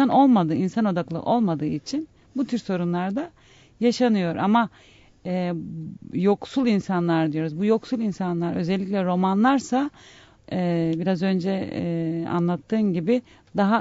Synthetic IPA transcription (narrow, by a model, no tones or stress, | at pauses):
anʔo̞lˠmad̪ɯinsano̞d̪aklˠɯ̰ʔo̞lˠmad̪ɯːit͡ʃʰin | but̪ʰyɾso̞ɾunlˠaɾd̪a | jaʃanɯjo̞ɾʔa̰ma | ɛː | jo̞ksulˠinsanlˠaɾd̪ijo̞ɾuzbujo̞ksulˠinsanlˠaɾø̞̰zɛlʲːic̬ʲlʲɛɾo̞manlˠaɾsa | biɾazø̞nd͡ʒɛ | a̰nlˠat̪ʰːɯːnɟibɪ | d̪aɦa